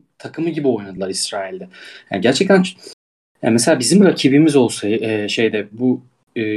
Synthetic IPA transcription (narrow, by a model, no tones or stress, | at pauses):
t̪ʰakʰɯmɯɟibio̞jnad̪ɯlˠaɾisɾaːilʲd̪ɛja̰ːnɟæɾt͡ʃʰɛc̚t̪ʰæn | ja̰mɛselʲaːbizimɾacʰibimizo̞lˠsajɯɛːʃe̞jd̪ɛbuː